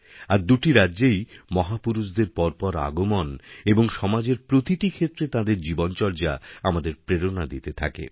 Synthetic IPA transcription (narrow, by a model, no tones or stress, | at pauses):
aɾd̪uʈiɾadːʑejmɔɦapuɾuʃd̪eɾpɔɾpɔɾa̰ɡomoneboŋʃɔmad͡ʑeɾpɾot̪iʈikʰet̪ːɾet̪ad̪eɾd͡ʑibont͡ɕɔɾd͡ʑaamad̪eɾpɾeɾonad̪it̪et̪ʰa̰kḛ